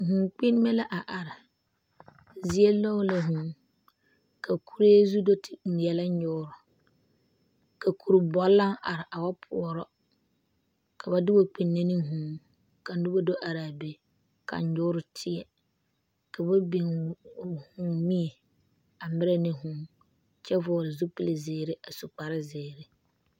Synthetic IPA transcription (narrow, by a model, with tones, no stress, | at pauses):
hu˨ŋk͡pi˦n˦mɛ˦la˦ʔa˨ʔa˨ɾɪ˨ | zi˦e˦lɔ˦la˦ɦũ˨˦ | kʰa˨kʰu˦ɾe˦e˦zu˦do˦tʰɪ̥˨n̩˨jɛ˨la˦ɲʊ˦ʊ˦ɾʊ˨ | ka˨kʰu˨ɾbɔ˨lːa˦ŋʔa˨ɾɪ˨ʔa˨wa˦pʰʊ˨ɔ˨ɾɔ˦ | kʰa˨ba˨dɪ˦ba˦k͡pi˨nːe˦ni˦ɦũː˨˦ŋ | ka˨n˦dʊ˦ba˦do˦ʔa˨ɾaː˨be˨ | ka̰˨ɲ˨ɲʊː˦ɾʊ˨tʰɪ˦ɛ˨ | ka˨ba˦bi˨ŋ˨ | hũː˨˦mi˦e˨ | a˨mɪ˦ɾɛ˦nɪ˨ɦũ˨ŋ | t͡ʃɛ˦vɔ˨ɾɪ˨zu˦pɪ˦lɪ˨zeː˨ɾɪ˦ʔa˨su˨k͡pa˨ɾɪ˦zɪː˨ɾɪ˦